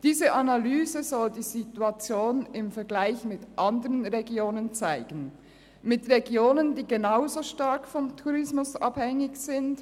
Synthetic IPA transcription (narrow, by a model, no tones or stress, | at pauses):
d̥iːzəʔanalyːzəzɔldiːzituat͡sjoːnɪmfɛɐɡlaɪçmɪtʔandəʁənʁeɡjoːnənt͡saɪɡ̥ən̩ | mɪtʁeɡjoːnəndiːɡenaʊzoʃtaɐkfɔmtʰuʁɪsmʊsʔa̰phɛŋɪçz̥ɪnt